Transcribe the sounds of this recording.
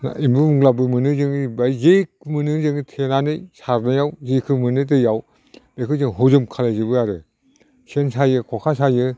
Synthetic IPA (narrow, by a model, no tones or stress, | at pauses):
na̰imbɯmuɡlabɯmɯnɯŋzɯŋibazekmɯnɯŋzɯŋtʰenanɯjsaɾnajawzekʰɯmɯnɯt̬ɯjaw | bekʰɯzɯŋɦozɯmkʰalajzɯbɯjaɾɯ | sensajɯkʰɔkʰasajɯ